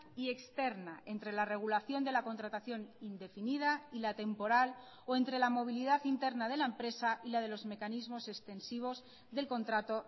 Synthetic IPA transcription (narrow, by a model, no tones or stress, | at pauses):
ie̞kst̪e̞ɾnae̞nt̪ɾe̞lare̞ɣ̞ulaθjo̞nd̪e̞lako̞nt̪ɾat̪aθjo̞nind̪e̞finið̞ailat̪e̞mpo̞ɾal | oe̞nt̪ɾe̞lamo̞β̞iliðaθint̪e̞ɾnað̞e̞laempɾe̞saʔilað̞e̞lo̞zme̞kanizmo̞se̞kst̪e̞nsiβ̞o̞z | ðe̞lko̞nt̪ɾat̪o̞